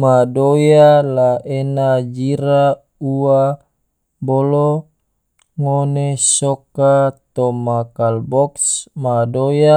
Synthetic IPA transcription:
madojalaʔenad͡ʒiɾa | ua | bolɔ | ŋonesɔkat̪ɔmakalbɔksmadoja

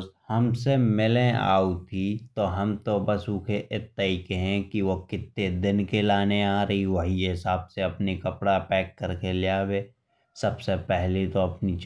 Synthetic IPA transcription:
shɐmsemɪlẽa̰ːut̪ʰit̪oɦɐmt̪obɐsuːkʰeʔɪt̪ːaikeɦɛ̃kiʋokɪt̪ːed̪ɪnkelaːneaːɾɐɦiʋɐɦiɦɪsaːbseɐpnikɐpɽaɐpɛːkːɐɾkelɪjaːʋeː | sɐbsepɛɦlet̪oɐpnit͡ʃ

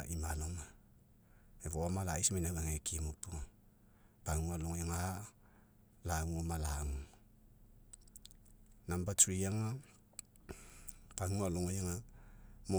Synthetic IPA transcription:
ʔimaloma | eβomalaismainaβaŋekimopu | paŋualoŋojaŋa | laŋuomalaŋu | nambatɾiaŋa | paŋualoŋojaŋamo

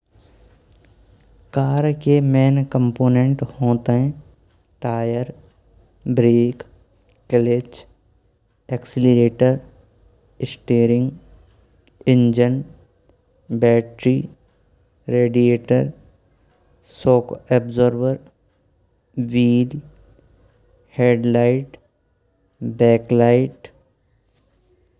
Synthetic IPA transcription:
kaːɾkemeːnkə̃mpoːnẽɳʈhoːt̪eɦɛ̃ | ʈaːjəɾ | bɾeːk | kəlet͡ʃ | eksɪliɾeːʈəɾ | ɪsʈeːɾɪ̃ŋɡ | ɪ̃ɲd͡ʒən | bɛːʈɾi | ɾeːɖieːʈəɾ | soːkɛbzoɾʋəɾ | ʋiːl | heːɖlaɪʈ | bɛːklaɪʈ

